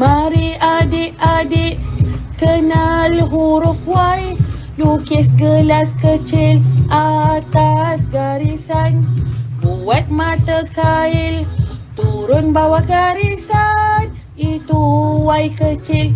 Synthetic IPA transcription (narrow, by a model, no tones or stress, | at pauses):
maɾiadiʔadiʔkənalɦuɾʊfwaj | lukɛsɡəlaskət͡ʃɪlʔat̪asɡaɾisanpuwat̪̚mat̪akaɪlt̪uɾʊnbawaɡaɾisan | it̪uwajkət͡ʃɪl